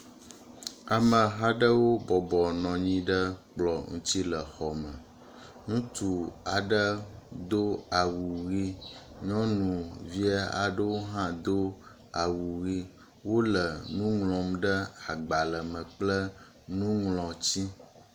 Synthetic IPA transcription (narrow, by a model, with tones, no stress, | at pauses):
a˨mə̃˨ɦa˦ɖə˦wo˦bɔ˨bɔ˨nɔ̃˨ɲĩ˦ɖə˦k͡plɔ˨ŋṵ̃˦t̪i˦lə˨xɔ˨mə̃˨ | ŋũ˦t̪u˨a˨ɖə˦d̪o˦a˨wu˨ɣi˦ɲɔ̃˦nũ˨vi˦a˦a̰˨ɖə˦wo˦ɦã˦d̪o˦ | a˨wu˨ɣi˦ | wo˦lə˨nũ˦ŋlɔ̃˨mɖə˦a˨ɡ͡ba˨lə˨mə̃˨k͡plə˦ | nũ˦ŋlɔ̃˨t͡ɕi˦